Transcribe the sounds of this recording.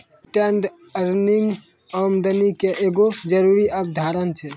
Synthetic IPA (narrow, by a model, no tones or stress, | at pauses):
ʈɛɳɖ | əɾniŋɡ | əmd̪ənikeʔeɡod͡ʒəɾuɾiab̚d̪ʱaɾənt͡ʃʰɛ